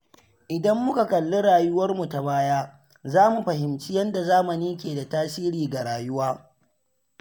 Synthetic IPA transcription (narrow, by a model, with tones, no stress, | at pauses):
ʔɪ˨dɐ˦mːʊ˦ka˨kɐ˨lːʊ˦ɽaː˨jʊ˦wɐ˦rmu˨ta˨baː˦jaː˦ | zaː˦mu˨ɸɐ˨hɪ˨mt͡ʃi˦jɐ˦nda˨zaː˦mɐ˨niː˦kʲeː˨da˨taː˦siː˦ɾiː˨ɡa˨ɽaː˨jʊ˦waː˦